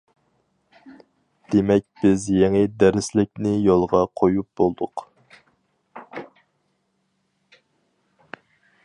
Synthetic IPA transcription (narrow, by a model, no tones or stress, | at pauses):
d̪̥emɛk̚ʲb̥ɪzjeŋɪd̪æɾɪslɪkʲnɪjolˠʁɑqʰojup̚b̥olˠd̪ʊq